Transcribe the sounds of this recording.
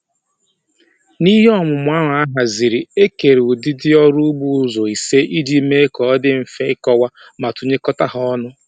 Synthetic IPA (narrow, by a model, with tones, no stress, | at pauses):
ni˦ɦe˦ɔ˦mʊ˨m˨˦a˦ɦa˨a˦ɦa˨zi˨ɾi˨e˦ke˨ɾu˨dɪ˦dɪ˦ɔ˦ɾu˦bu˦ʊ˦zo˨i˨se˦ʔi˦d͡ʒi˦me˦kɔ˨ɔ˦dɪ˦m̩˨fe˦kɔ˦wa˦ | ma˨tu˨ɲe˦kɔ˦ta˦ɦɔ˦nʊ˦